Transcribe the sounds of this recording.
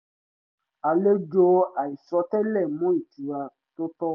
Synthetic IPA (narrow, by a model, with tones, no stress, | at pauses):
a˨le˦d͡ʒo˧a˨i˨sɔ˨˦tɛ˦lɛ˦˨mũ˦i˦˨tu˨a˧ | to˦tɔ˦